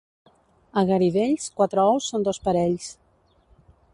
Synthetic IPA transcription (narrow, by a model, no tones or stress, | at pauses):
əɣəɾiβeʎskwat̪ɾəɔwsːond̪ospəɾɛʎs